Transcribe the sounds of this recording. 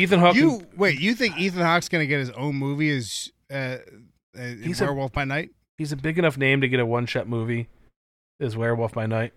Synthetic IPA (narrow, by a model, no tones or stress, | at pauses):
iθɨ̃nɦɑkjɨweɪtjɨθɪ̃ŋkiθɨ̃nhɑksɡ̥ʌnɨɡɛt̚ɨzõ̰ʊ̃nmuviɪz | ʌ | ɪhizwəɛɹwɛlˠθb̥aɪnaɪt̚ | hizɨbɪɡɨnʌfnẽɪ̃mtɨɡɛɾəwʌ̃nʃɛt̚muvi | ɨzwɛɹwɛlˠθb̥aɪnaɪt̚